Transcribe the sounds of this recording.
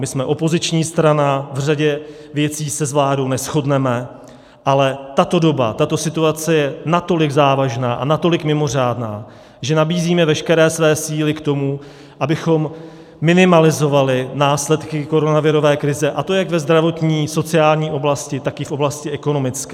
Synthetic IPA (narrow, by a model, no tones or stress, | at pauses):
mɪsmɛʔo̞po̞zɪt͡ʃɲiːst̪ɾanavr̝aɟɛ | vjɛt͡siːsɛzvlaːdo̞wnɛsxo̞dnɛmɛ | ʔalɛt̪at̪o̞do̞ba̰t̪at̪o̞sɪt̪uat͡sɛjɛnat̪o̞lɪɡzaːvaʒnaːʔa̰nat̪o̞lɪkmɪmo̞r̝aːdnaː | ʒɛnabiːziːmɛvɛʃkɛɾɛːsvɛːsiːlɪkt̪o̞mu | ʔabɪxo̞mː | ɪnɪmalɪzo̞valɪnaːslɛt̪kɪko̞ɾo̞navɪɾo̞vɛːkɾɪzɛʔat̪o̞jaɡvɛzd̪ɾavo̞t̪ɲiːso̞t͡sɪaːlɲiːʔo̞blascɪt̪akɪfʔo̞blascɪʔɛko̞no̞mɪt͡skɛː